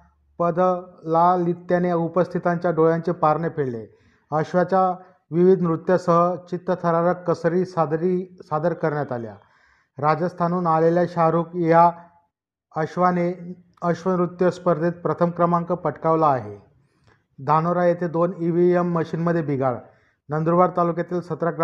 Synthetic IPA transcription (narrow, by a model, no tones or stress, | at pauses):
pəd̪lalit̪janeupəst̪ʰit̪aɲt͡ɕjaɖoɭjaɲt͡ɕepaɾɳepʰeɭle | əɕʋat͡ɕa | ʋiʋid̪ʱnɾut̪jasəɦət͡ɕit̪ːət̪ʰəɾaɾakːəsɾiːɾisad̪əɾkəɾɳjat̪alja̰ | ɾad͡zəst̪ʰanuːnaleljaɕaɾuːkja | əɕʋane | əɕʋənɾut̪jəspəɾd̪ʱet̪̚pɾət̪ʰəmkɾəmaŋkəpəʈkaʋlaːɦe | d̪ʱanoɾajet̪ed̪oniʋiemːəɕiːnməd̪ʱːjebʱiɡaɭ | nənd̪ɾuʋaɾt̪alukjat̪iːlsət̪ɾakɾ